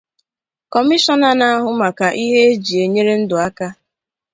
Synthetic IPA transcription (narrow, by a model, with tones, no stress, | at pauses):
kɔ˨mi˦ʃɔ˦na˨na˦a˦ɦʊ˦ma˨ka˨ʔi˦ɦe˦e˦d͡ʒi˨e˨ɲe˦ɾe˦n̩˦dʊ˨a˦ka˦